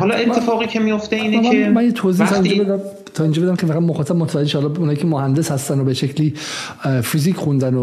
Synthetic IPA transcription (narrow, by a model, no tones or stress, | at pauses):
hɒlɒet̪ʰːefɒːɣiːcʰemijoft̪eiːnemænjet̪ʰoziit̪ʰind͡ʒɒbed̪æ | t̪ʰɒind͡ʒɒːbed̪æmcʰevæɣæbmoxɒːt̪ʰæb̚mot̪ʰevæd͡ʒeʃehɒlɒbeunhɒjicʰemohænd̪eshæst̪ænd̪obeʃecʰliː | fiziːcʰχund̪æno